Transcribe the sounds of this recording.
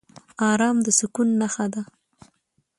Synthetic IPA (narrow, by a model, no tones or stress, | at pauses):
ɑɾɑmd̪əsʊkunːaxad̪a